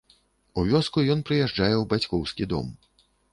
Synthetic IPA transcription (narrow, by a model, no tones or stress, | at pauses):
uvʲɔskujɔnpɾɨjɛʐd͡ʐajɛwbat͡sʲkɔwskʲid̪ɔ̰m